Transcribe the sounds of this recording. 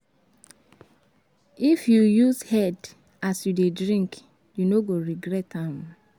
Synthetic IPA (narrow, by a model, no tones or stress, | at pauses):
ifjujuzhɛd | asjudedɹĩŋk | junoɡoɹiɡɾɛtãm